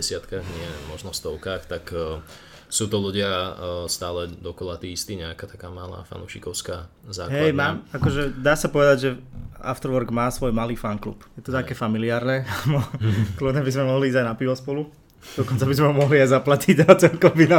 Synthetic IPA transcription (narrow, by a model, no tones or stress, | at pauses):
ɛsɪat̪kaɣɲɪɛmɔʒnɔst̪ɔʊkaːxt̪akː | suːt̪ɔluɟɪast̪aːlɛd̪ɔkɔlat̪iːist̪iːɲɛakat̪ḁkaːmala̰ːfa̰nṵʃikɔʊska | za̰ːkɦɛjmaːmakɔʒɛd̪aːsapɔʋɛd̪aɟʒɛa̰ft̪ɾʋɔɾɡmaːsʋɔjmaliːfanklṵːpjɛt̪ɔt̪akɛːfamiliaːɾnɛmɔklubnɛbizmɛmɔɦliiːzajnapiʋɔspɔlu | d̪ɔkɔnt͡sabizmɛɦɔmɔɦliajzaplaciɟat͡sɛlkɔbina